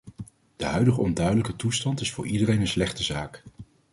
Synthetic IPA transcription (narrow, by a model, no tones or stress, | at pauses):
d̥əɦœɥdəχəɔndœɥdələkətustɑntɪsfʊ̰ːɹʔidərejnənslɛχtəzaːk